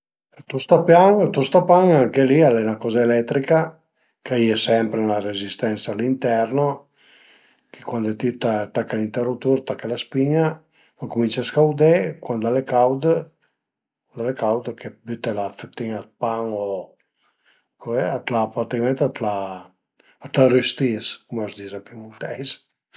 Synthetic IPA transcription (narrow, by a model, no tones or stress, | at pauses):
t̪ust̪apjaŋt̪ust̪apaŋaŋkelialɛnakɔzaelɛt̪ːɾika | kaiesɛmpɾenelaɾezist̪ɛnsaːlint̪ɛɾno | ke̥kwand̪et̪it̪at̪akːalint̪ɛrut̪uɾt̪akːalaspiɲa | oŋkumint͡ʃaskawd̪ekwand̪alekawd̪ | kand̪alekawd̪kʰebyt̪elafet̪iŋat̪paŋo | kʰoɛat̪lapat̪ikmɛ̃nt̪at̪la | at̪aryst̪iskumazd̪izapimult̪ɛjs